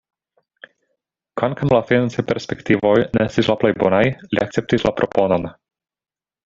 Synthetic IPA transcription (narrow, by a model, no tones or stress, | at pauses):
kvaŋkawlafinant͡sepe̞ɾspektivo̞jneestislaplejbo̞najlḭʔak̚t͡se̞p̚tislʔapɾʔo̞po̞non